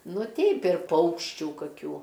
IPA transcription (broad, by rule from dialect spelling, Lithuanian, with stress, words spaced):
ˈnʊ ˈtʲɛɪp ɪr ˈpɐʊkʃʲt͡ʃʲuː kɐˈkʲuː